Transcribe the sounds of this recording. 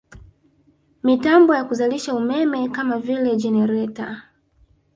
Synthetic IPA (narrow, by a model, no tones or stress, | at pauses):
mitambɔjakuzaliʃaumɛmɛkamavilɛd͡ʒɛnɛɾɛta